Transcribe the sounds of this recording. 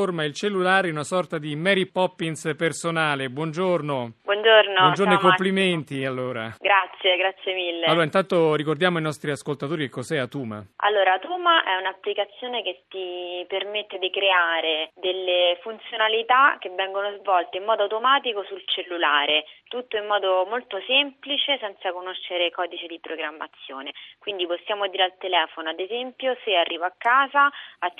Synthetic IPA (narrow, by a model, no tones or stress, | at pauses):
ormailt͡ʃelːulaːɾeɛunasɔrt̪ad̪imɛɾipɔpːinspersonaːlebwɔnd͡ʒornobwɔnd͡ʒornoɔnd͡ʒoɾnoikopːliment̪ialːoːɾaɡɾat̪sːjeɡɾat̪sːjemilːealoːɾaint̪ant̪oɾikord̪jaːmoinɔst̪ɾiaskolt̪at̪oːɾiekːosɛat̪uːma̰a̰lːoːɾat̪uːmaʔɛunapːlikat̪sːjoːnek̟et̪ːipermet̪ːed̪ikɾeaːɾed̪elːefunt̪sjonalit̪ak̟ːevːɛŋɡonozvɔlt̪eimːɔːd̪oawt̪omaːt̪ikosult͡ʃelːulaːɾet̪ut̪ːoimːɔːd̪omolt̪osemplit͡ʃesɛnt̪sakonoʃːeɾekɔːd̪it͡ʃed̪ipɾoɡɾamːa̰t̪sːjoːnekwind̪iposːjaːmod̪iːɾealt̪elɛːfonoad̪ezɛmpjosearːiːvaakːaːzaa